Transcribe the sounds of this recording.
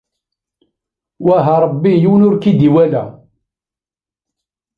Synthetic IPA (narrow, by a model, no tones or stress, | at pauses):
wæɦæɾˤəbːijuwnʊɾkid̪iwælæ